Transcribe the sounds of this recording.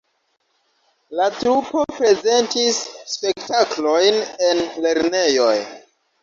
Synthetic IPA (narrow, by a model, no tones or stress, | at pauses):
latɾupo̞pɾe̞ze̞ntisːpe̞ktaklo̞jne̞nle̞ɾne̞jo̞̰j